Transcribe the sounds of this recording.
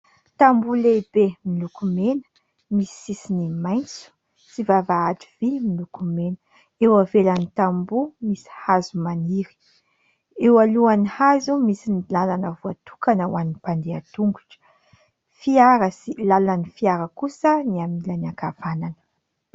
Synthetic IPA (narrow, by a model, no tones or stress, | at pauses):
t̪ambulebemilukumenə̥ | misi̥isinimajnt͡su̥ | sivavaaʈ͡ʂivimilukumenə | ewavelənit̪ambumisi̥hazumaniɾi̥ | ewaluanihazumisinilalanəvuat̪u̥kanəwaninipand̪eat̪uŋɡuʈ͡ʂə̥ | fiaɾəsilalanifiaɾəkusəniamilaniakav̥ananə̥